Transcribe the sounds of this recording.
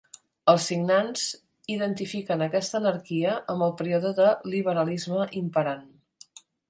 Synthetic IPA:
əlˠsːiɡnanz | iðənt̪ifikənəkɛst̪əːnəɾkiəʔəmbəlˠpəɾiɔðəðəliβəɾəlizməʔimpəɾan

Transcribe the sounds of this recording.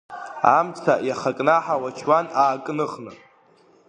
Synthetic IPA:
a̰mt͡sʰa̰jaχakʼnaħawat͡ʃʰwanaːkʼnɨχnɨ̰

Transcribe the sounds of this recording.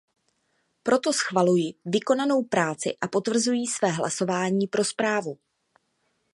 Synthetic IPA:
pɾo̞t̪o̞sxvalujɪvɪko̞nano̞wpɾaːt͡sɪ̰ʔapo̞t̪vr̩zujiːsvɛːɦlʔa̰so̞vaːɲiːpɾʔo̞spɾaːvu

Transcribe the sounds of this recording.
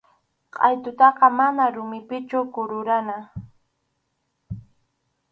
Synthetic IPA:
qʼɑjt̪ʊt̪ɑqɑmanaɾʊmɪpɪt͡ʃʊkʊɾʊɾana

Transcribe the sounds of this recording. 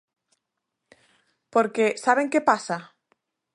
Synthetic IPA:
poɾkesaβ̞eŋkepasa

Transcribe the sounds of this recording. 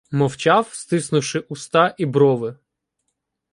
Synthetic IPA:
mɔwt͡ʃɑwst̪ɪsnʊwʃɪʔʊst̪ɑʔibɾɔʋɪ

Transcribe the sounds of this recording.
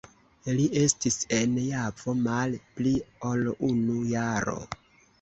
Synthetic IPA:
lie̞stise̞njavo̞malpliolunujaɾo̰

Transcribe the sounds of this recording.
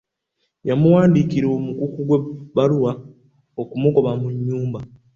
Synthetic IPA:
jamuwaːndikiɾo̞mukukuɡwebaluwa | okumuko̞βamuɲːuːmba

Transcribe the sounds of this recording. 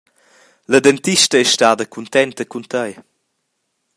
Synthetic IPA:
ləd̪ɛnt̪iʃtəɛʃtaːd̪əkʰunt̪ɛnt̪əkunt̪əj

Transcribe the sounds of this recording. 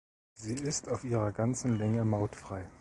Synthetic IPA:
ziːɪstaʊfʔiːʁ̞ɐɡant͡sn̩lɛŋəmaʊtfʁ̥aɪ

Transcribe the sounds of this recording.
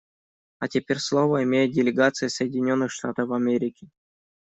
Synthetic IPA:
ɐtʲɪpʲeɾʲslˠovəɪmʲejɪt̪̚dʲɪlʲɪɡat̪sɨjɪsəjɪdʲɪnʲo̞nːɨxʂt̪a̰t̪əfɐmʲeɾʲɪkʲɪ

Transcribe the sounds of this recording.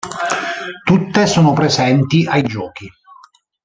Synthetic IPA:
t̪ut̪ːesoːnopɾezɛnt̪iʔajd͡ʒɔːk̟i

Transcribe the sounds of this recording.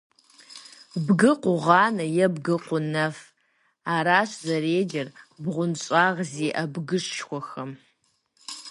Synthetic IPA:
bɡɨqʷʊʁɑːnɐjɛbɡɨqʷʊnɐf | aːɾaːɕzɐreːd͡ʒɐrbʁʷʊnɕʼaːʁziːʔɐbɡɨɕʃxʷɔxɐm

